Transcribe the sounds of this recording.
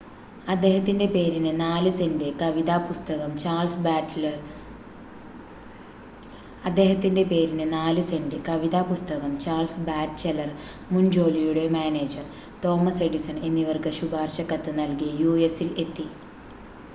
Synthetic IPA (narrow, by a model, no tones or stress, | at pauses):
ɐd̪ːe̞ːɦɐt̪ːinde̞pe̞ːɾinɨnaːlɨse̞ndekɐʋiðaːpust̪ɐɣɐmt͡ɕaːlsb | ɐd̪ːe̞ːɦɐt̪ːinde̞pe̞ːɾinɨnaːlɨse̞ndekɐʋiðaːpust̪ɐɣɐmt͡ɕaːrlsbaːʈt͡ɕelɐr | mund͡ʑo̞ːlijuɽe̞maːne̞ːd͡ʑɐr | t̪o̞ːmɐseɽisɐne̞nːiʋɐrkɨɕubaːrɕɐkːɐt̪ːɨnɐlkijɐjuːe̞sile̞t̪ːi